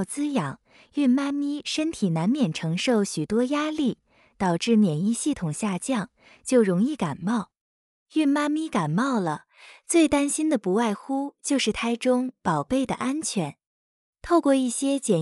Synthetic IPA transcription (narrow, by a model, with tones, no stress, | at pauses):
ʊt͡sɹ̩˥jɑ˨˩˦ŋ | y˥˩nma˥mi˥ʂə˥nt̪ʰi˨˩na˧˥nmjɛ˨˩nʈ͡ʂʰɤ˧˥ŋʂo˥˩ʊɕy˨˩t̪wɔ˥ja˥li˥˩ | t̪ɑ˨˩ʊʈ͡ʂɻ̩˥˩mjɛ˨˩ni˥˧ɕi˥˩t̪ʰʊ˨˩ŋɕja˥˧t͡ɕjɑ˥˩ŋ | t͡ɕjo˥˩ʊɻʊ˧˥ŋi˥˩ka˨˩nmɑ˥˩ʊ | y˥˩nma˥mi˥ka˨˩nmɑ˥˩ʊlə˩ | t͡swe˥˩ɪt̪a˥nɕi˥nd̪ə˨pu˧˥wa˥˩ɪxu˥t͡ɕjo˥˧ʊʂɻ̩˥˩t̪ʰa˥ɪʈ͡ʂʊ˥ŋpɑ˨˩ʊpe˥˩ɪd̪ə̰˩ʔa˥nt͡ɕʰɥɛ˧˥n | t̪ʰo˥˧ʊkwɔ˥˧i˥˩ɕjɛ˥t͡ɕjɛ˨˩